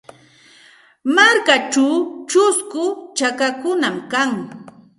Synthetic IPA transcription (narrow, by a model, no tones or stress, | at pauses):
maɾkat͡ʃawt͡ʃʊskʊt͡ʃakakʊnamkaŋ